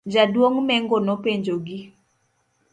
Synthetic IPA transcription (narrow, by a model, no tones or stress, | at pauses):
d͡ʒadwoŋmɛŋɡonopeɲd͡ʒoɡi